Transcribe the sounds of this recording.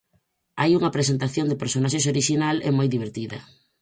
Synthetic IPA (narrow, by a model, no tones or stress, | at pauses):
ajuŋɐpɾesent̪aθjond̪ɪpeɾsonaʃes̬oɾiʃinalɛ̰mojðiβ̞eɾt̪iðɐ̰